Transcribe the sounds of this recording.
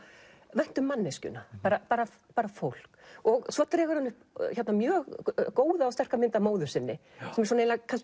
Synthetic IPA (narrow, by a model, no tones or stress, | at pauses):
vajn̥t̪ʏmːanːɛscʏ̰napaːɾapaːɾa | paːɾafowl̥kɔɣsvɔt̪ɾɛɣaɾanːʏhpçɛt̪namjœːɣkoːwðaːwst̪ɛr̥kamɪnt̪amoːwðʏɾ̥sɪnːɪsɛmɛɾsɔneːlakʰans